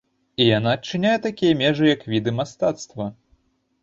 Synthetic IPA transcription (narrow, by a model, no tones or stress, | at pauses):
ijan̪aːt͡ʂːɨnʲajɛt̪akʲijɐmʲɛʐɨjɐkvʲid̪ɨmast̪at̪st̪vɐ